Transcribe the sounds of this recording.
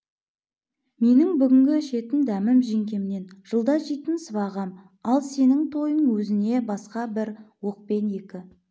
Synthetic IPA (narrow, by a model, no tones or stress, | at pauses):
me̞nɪŋbʏɡʲɪŋɡʲɪʃe̞t̪ɪnd̪æmɪmʒeŋkʲe̞mɪne̞nʒ̥əlˠd̪ɑʒijt̪ɪnsəβɑʁɑm | ɑlˠse̞nɪŋt̪ʰo̞jəɴwɵzɪne̞bɑsqɑbɪɾwo̞q̚pe̞nje̞kʲɪ